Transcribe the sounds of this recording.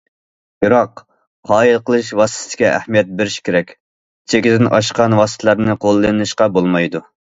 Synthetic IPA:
biɾɑqː | ɑːjilˠqəlˠɨʃwɑst̪ʰɪt̪ɪ̥kʲiæ̰hmijɛt̪̚bɪɾɪʃkʲʰeɾɛkʲ | t͡ʃʰekʲid̪ɪnʔɑʃqɑnwɑːsɨ̥t̪ʰəlˠæɾnɨqʰolˠːɨnɨʃqɑbolˠmɑjd̪u

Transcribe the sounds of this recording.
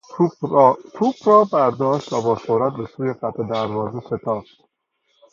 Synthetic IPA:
t̪ʰupɾɒːbæɾd̪ɒːʃt̪væbɒːsoɾæt̪̚besuːjeqæt̪ed̪æɾvɒːzeset̪ʰɒːft̪

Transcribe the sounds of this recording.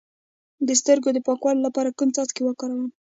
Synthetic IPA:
d̪əst̪əɾɡod̪əpɑkwɑlolapɑɾakənt͡sɑt͡skewəkɑɾawəm

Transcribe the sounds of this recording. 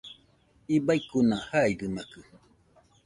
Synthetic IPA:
ibajkunahaidɨmakɨ

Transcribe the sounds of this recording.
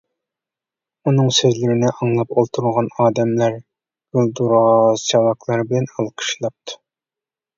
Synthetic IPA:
unɨŋsezlɪɾɪnɪʔɑŋlˠɑpolˠt̪ʰuɾulˠʁɑnɑːd̪ɛmlæɾ | ɡylˠd̪uɾɑsɑlˠɑklˠɑɾbɪlɛnɑlˠqʰə̥ʃlˠɑp̚t̪ʰu̥

